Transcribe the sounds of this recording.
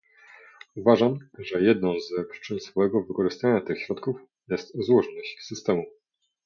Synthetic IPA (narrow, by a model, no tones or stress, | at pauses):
uvaʐamʐɛjɛd̪̚nɔ̃w̃zɛpʂɘ̥t͡ʂɘnsfɔwɛɡɔvɘkɔʐɘst̪aɲat̪ɘxɕɾɔt̪kuf | jɛst̪zwɔʐɔnɔɕsɘst̪ɛmu